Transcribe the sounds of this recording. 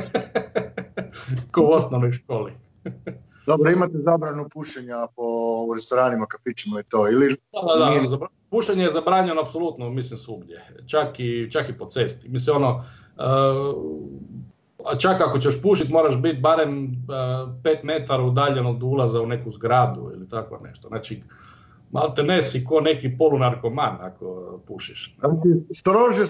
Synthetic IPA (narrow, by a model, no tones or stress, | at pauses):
kouosnomnojʃkoːlḭ | d̪obɾoimat̪ezabɾanupuʃeɲapouɾest̪oɾaːnimakafit͡ʃimoit̪oilid̪ad̪ad̪azaba | puːʃeɲejezabɾaːɲenoapsolˠut̪nomislimsʋuɡd̪jet͡ʃakit͡ʃakipot̪se̞st̪imislimo̞no | ə | at͡ʃakakot͡ɕeʃpuʃit̪mo̞ːɾaʃbit̪̚baɾem | peːt̪met̪aɾaud̪aʎenod̪ulˠazaunekuzɡɾaːd̪ṵḭlit̪akʋo̰nḛʃt̪oznaːt͡ʃi | mʔa̰lt̪ene̞sikonekipolunaɾkomanakopuʃiʃsist̪ɾot̪e